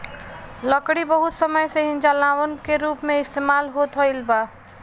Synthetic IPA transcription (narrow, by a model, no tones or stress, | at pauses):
lɔkɽibɐɦʊt̪sɐməjseɦɪ̃nd͡ʒalaːwənkeɾuːpmẽɪst̪eːmaːlɦot̪ʰɔɪlbaː